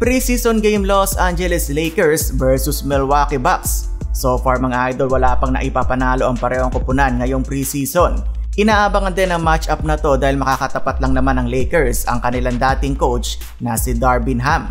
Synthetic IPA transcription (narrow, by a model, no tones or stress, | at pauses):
pɾisisonɡejmlosʔand͡ʒɛlɛslejkɛɹsvɛɹsʊsmɛlwakɪbaksːofɐɹmɐŋaʔajd̪o̞lwɐlaːpɐŋnɐ̰ʔɪpaːpɐnaːlo̞ʔɐŋpɐɾɛːhoŋkʊpʊnanŋɐjo̞ŋpɾisisonʔɪnaːʔabɐŋɐnd̪ɛnɐŋmat͡ʃap̚nɐt̪o̞d̪aːhɪlmɐkakɐt̪ɐpat̪̚lɐŋnɐmanɐŋlɛjkɛɹsɐ̰ŋkɐnɪland̪aːt̪ɪŋkowt͡ʃ | nɐsɪd̪aɹbɪnɦam